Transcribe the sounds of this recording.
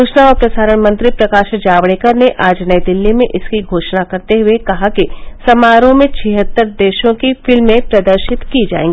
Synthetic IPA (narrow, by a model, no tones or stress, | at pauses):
ʊːʃnaɔːɾpɾɐsaːɾəɽ̃mɐ̃nt̪ɾipɾɐkaːʃd͡ʒaːʋɽeːkəɾneʔaːd͡ʒnəjd̪ɪlːimẽʔɪskiɡʱoːʃnakɐɾt̪eɦʊekɐɦakisɐmaːɾõmẽt͡ʃʰɪɦət̪ːəɾd̪eːʃõkifɪlmːẽpɾɐd̪əɾʃɪt̪kid͡ʒa̰ːḛːŋɡi